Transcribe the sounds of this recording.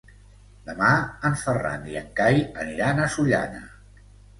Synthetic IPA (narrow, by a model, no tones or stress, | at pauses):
d̪əmaəɱfəra̰nd̪iə̰ŋkajəniɾanəsuʎa̰nə̰